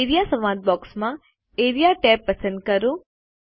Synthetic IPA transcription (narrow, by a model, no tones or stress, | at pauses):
eɾijasɐmãːd̪̚bɔːksmã | eːɾijaʈɛːpːɐsə̃nd̪̚kɐɾu